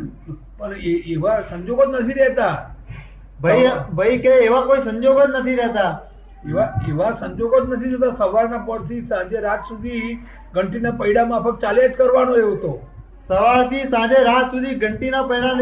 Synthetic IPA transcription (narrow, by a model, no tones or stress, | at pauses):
pəɳɪʋasə̃ɲd͡ʒoːɡət̪nət̪ʰiɾɛɦt̪a | bʱəibʱəikeeːʋakoːisə̃ɲd͡ʒoːɡət̪nət̪ʰiɾɛɦt̪a | ɪʋaɪʋasə̃ɲd͡ʒoɡət̪nət̪ʰiɾɛɦt̪asəʋaːɾnãpəɽt̪ʰiːsãːd͡ʒeɾaːt̪sʊd̪ʱi | ɡʱəɳʈinãːpəɪɽamãpʰəkt͡ʃaːleːt̪kəɾʋaːnoeot̪oː | səʋaːɾt̪ʰiːsãːd͡ʒeɾaːt̪sʊd̪ʱiɡʱəɳʈinãpəɦɪɽãn